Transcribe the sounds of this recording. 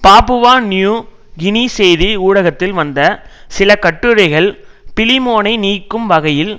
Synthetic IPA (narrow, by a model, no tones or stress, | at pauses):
paːpɯʋaːnjuː | ɡɪnisɛjðiuːɽɐɣɐt̪ːɪlʋɐnd̪ɐsɪlɐkɐʈːɯɾɐɪɣɐɭpɪlɪmoːnɐɪniːkːɯmʋɐɣɐjɪl